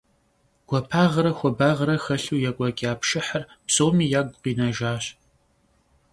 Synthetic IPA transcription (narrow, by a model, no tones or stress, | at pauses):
ɡ̥ʷɔpʰaːʁɐɾɐxʷɔbaːʁɐɾɐxɐɬuːjɛkʷʼɔkʲʼaːpʃɪħərpsoːmiːjaːɡʷqiːnɐʒaːɕ